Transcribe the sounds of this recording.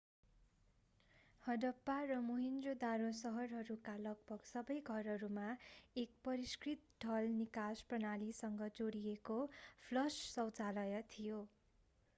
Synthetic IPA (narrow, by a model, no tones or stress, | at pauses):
hʌɖʌpːarʌmoɦind̪rod̪aɾosʌɦʌrɦʌɾukalʌɡ̚bʌɡsʌbʌjɡʱʌrɦʌɾumaek̚pʌɾiskrit̪̚ɖʱʌlnikasprʌnalisʌŋɡʌd͡zoɽijekopʰlʌssʌwt͡salʌjʌt̪ʰijo